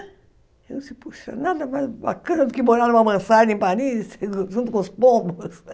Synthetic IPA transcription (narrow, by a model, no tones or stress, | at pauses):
enũsɪpuʃɐ̰nad̪ɐmajzba̰kɐ̃nɐd̪ʊkɪboɾaɾũmɐmɐ̃saʒẽpanisʒũnt̪ʊkõspõbʊs